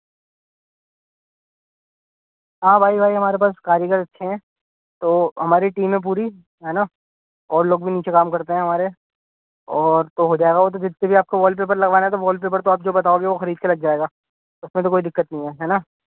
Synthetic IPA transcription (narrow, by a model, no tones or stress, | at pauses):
ɦãːbʱaːibʱaːiɦɐmaːɾepaːskaːɾjəkəɾt̪ɐtːʃʰeɦɛ̃ː | t̪oːɦɐmaːɾeʈiːmɦẽp̬uːɾi | ɦɛːna | ɔːɾloːɡ̚bʱiniːt͡ʃekaːmkɐɾt̪eɦɛ̃ɦɐmaːɾe | ɔːɾt̪oɦoːd͡ʒaːeɡaʋot̪̬od͡ʒɪd̪sebʱiaːp̚kaʋɔːlpeːp̬əɾlɐɡʋaːnaɛt̪̬oʋɔːl̚p̬eːp̬əɾt̪oaːp̚d͡ʒoːbɐt̪aːoːɡeʋoxɐɾiːd̪̚kelɐɡ̚d͡ʒaːeːɡaː | oʊsmẽt̪okoːid̪ɪkːət̪nɐɦĩɦɛːɦɛːna